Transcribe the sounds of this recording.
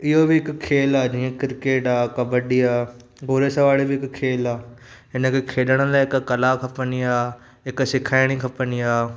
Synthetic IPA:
ɪɦobɪɪkkʰːeːlaːd͡ʑĩːẽkɪɾkeːʈaːkɐbəɖiaː | boːɾesɐʋaːɭebɪɪkkʰːeːlaː | ɦɪnə̆kʰekʰeːɗəɽ̃ə̆laːɪɪkkɐlakʰɐpəniaː | ɦɪksɪkʰaːɪɽ̃ikʰɐpəniaː

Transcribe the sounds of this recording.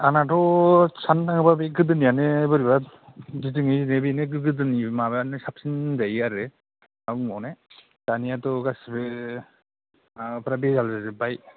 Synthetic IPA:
anatɔsʰandaŋɯbabeɡɯdɯnijanebɯɾiba | ditɯŋɯnebineɡɯɡɯdɯnimabnesap̚sinzajaɾe | amɔne | d̥anijatɔɡasbe | pʰɾabezalzazebaj

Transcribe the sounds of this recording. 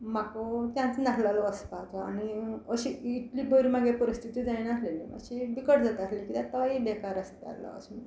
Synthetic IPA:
makot̪jãnt͡snaslalɔəspat͡sɔa̰niəɕiːʈliːbəɾimaɡepəɾist̪ʰit̪id͡zajnaslelḭə̰ɕibikəʈd͡zat̪aslikit̪ãt̪aibekaɾəst̪a̰ɾlɔ̰ə̰s

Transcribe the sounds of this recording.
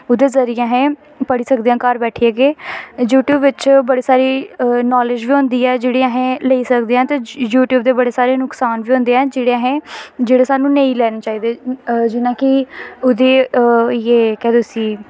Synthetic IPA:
ʊd̪eːzəɾɪjãːɦẽː | pəɽiːsəkd̪eːãːkəɾbɛːʈʰiːɛːɡeːjuːʈjuːbʋɪt͡ʃbəɽeːsaːɾiːnɔːlɪd͡ʒʋiːɦõːnd̪iːɛːd͡ʒeːɽeːəɦẽːleiːsəkd̪eːãːt̪eːjuːʈjuːbd̪eːbəɽeːsaːɾeːnʊksaːnʋiːɦõːnd̪eːɛ̃ːd͡ʒeːɽeəɦẽːd͡ʒeːɽeːsaːnũːnẽĩːlɛːneːt͡ʃaːiːd̪eːd͡ʒɪnãːkɪʊd̪eːjeːkɛ̃ːd̪oːsiː

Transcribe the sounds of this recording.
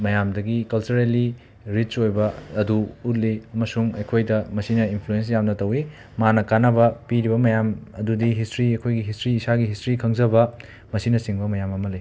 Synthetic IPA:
mɐjamdɐɡikɐlt͡ʃuɾeli | ɾit͡ʃojbɐːduut̬̚liɐmɐsuŋɐjkʰojdɐmɐsinɐinpʰluens̬jamnɐtɐwi | manɐkanɐbɐpiɾibɐmɐjamɐdudiɦistɾiɐjkʰojɡiɦistɾiːsaɡiɦistɾikʰɐŋzɐbɐ | mɐsinɐsiŋbɐmɐjamɐmɐli

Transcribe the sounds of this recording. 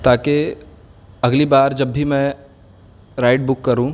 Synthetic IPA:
t̪aːke | ɐɡlibaːɾd͡ʒɐbːimɛ̃ | ɾaːɪʈ̚bʊkːɐɾũ

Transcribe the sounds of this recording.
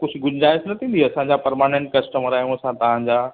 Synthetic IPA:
kʊd͡ʑʱɡʊd͡ʑnaːɪsnɐt̪ʰĩːnd̪iɐsãɲd͡ʑapɐɾmaːnẽːɳʈ̚kɐsʈəməɾaːjũɐsãt̪ɐʋ̤ãɲd͡ʑaː

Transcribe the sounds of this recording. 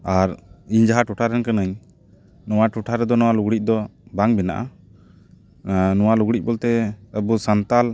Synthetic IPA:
aɾiɲd͡ʒaɦaʈuʈʰaɾɛnkanəɲ | nɔwaʈuʈʰaɾɛd̪ɔnɔwaluɡɽic̚ˀd̪ɔbaŋbɛna̰ʔa̰ | nɔwaluɡɽic̚bɔlt̪ɛəbusant̪al

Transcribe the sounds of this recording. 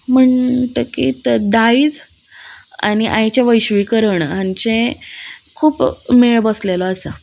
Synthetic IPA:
m̤əɳt̪əkḭːt̪d̪aid͡z | a̰ñiʔajt͡ɕjaʋəjɕʋikəɾəɳɦãɲt͡ɕẽ | kʰuːpmeɭbəslelɔəsə

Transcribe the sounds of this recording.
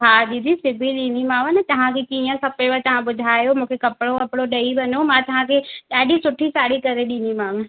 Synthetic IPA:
ɦaːɗid̪isɪbʱiɗĩːnimãːʋənɪt̪ɐʋ̤ãkʰekiːə̃kɐpeʋət̪ɐʋ̤ãɓʊd̪ʱaːjomũːkʰekɐpɪɽokɐpɽoɗɐibɐnomãt̪ɐʋ̤ãkʰeɗaːɗisʊʈʰisaːɽikɐɾeɗĩːnimãːʋẽ

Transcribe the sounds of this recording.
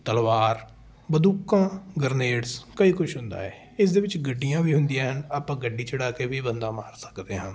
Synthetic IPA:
t̪əlʋaːɾ | bəd̪uːkãːɡəɾneːɽskəiːkʊʃʰɦʊnd̪a̰ːɛː | ɪsd̪eːʋɪt͡ʃɡəɖːijãːʋiːɦʊnd̪ijãːɦənaːpãːɡəɖːiːt͡ʃəɽaːkeːʋiːbənd̪aːmaːɾsə̥kd̪eːɦãː

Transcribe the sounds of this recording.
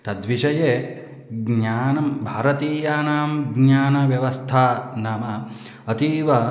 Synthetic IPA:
t̪ɐd̪ʋiʂɐjeː | ɡɲaːnɐmbʱaːɾɐt̪iːjaːnaːmɡɲaːnɐʋjɐʋɐst̪ʰaːnaːmɐ | ɐt̪iːʋɐ

